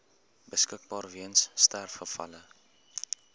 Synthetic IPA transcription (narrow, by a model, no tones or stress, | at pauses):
bəskək̚bɑːrviənsːtærfχəfɐ̰lə